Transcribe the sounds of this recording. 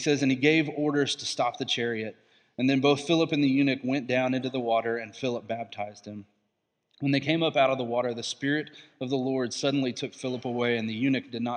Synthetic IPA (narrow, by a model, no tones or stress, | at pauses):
sɛzɨ̃niɡeɪvɔɹɾə˞z̥tʰəstɑp̚ðɨt͡ʃʰɛɹiɨɾ | ɨ̃nðɨ̃nboʊθfɪlˠəpɨ̃nðɨjʉnɨkwɛ̃nd̥ãʊ̃nɪ̃ntʉðəwɔɾə˞ɨ̃nfɪlˠəp̚b̥æb̚tʰaɪzd̥̚hɨ̃m | wə̃nðeɪkʰẽɪ̃mʌpaʊɾʌvðəwɔɾə˞ðɨspɪɹɨɾʌvðəlɔɹd̥sʌdⁿn̩litʰʊkfɪlˠəpəweɪɨ̃nðɨjʉnɨk̚d̥ɨdⁿnə